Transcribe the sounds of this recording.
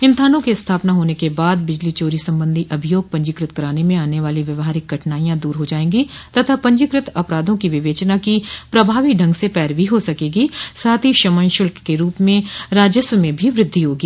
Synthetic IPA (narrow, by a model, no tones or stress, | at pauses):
ɪ̃nt̪ʰaːnõkest̪ʰaːpnaɦoːnekebaːd̪̚bɪd͡ʒlit͡ʃoːɾisɐ̃mbə̃nd̪ʱiʔɐbʱijoːɡ̚pɐ̃ɲd͡ʒɪkɾɪt̪kɐɾaːnemẽaːneʋaːliʋjɐʋɦaːɾɪkɡɐʈnaːijãd̪uːɾɦod͡ʒaːẽːɡit̪ɐt̪ʰapɐ̃ɲd͡ʒɪkɾɪt̪ɐpɾaːd̪ʱõkiʋɪʋeːt͡ʃnakipɾɐbʱaːʋiɖʱɐ̃ŋɡsepɛːɾʋiɦosɐkeːɡisaːt̪ʰiʃɐmə̃nʃʊlkkeɾuːpmẽɾaːd͡ʒəsʋəmẽbʱiʋɾɪd̪ʱːiɦoːɡiː